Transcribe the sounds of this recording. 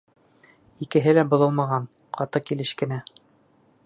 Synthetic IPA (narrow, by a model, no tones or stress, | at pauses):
ikɘ̆ɦɘlæbŏlˠɤ̆lˠmɑʁɑn | qʰɑt̪ɤkilɘʃkɘ̆næ